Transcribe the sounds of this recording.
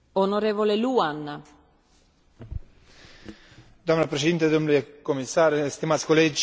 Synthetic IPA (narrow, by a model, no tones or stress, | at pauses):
onoɾeːvoleluana | d̪oamnapɾeʃ̬ed̪int̪ed̪omnulujekomisaɾst̪imat̪sʲkoled͡ʒ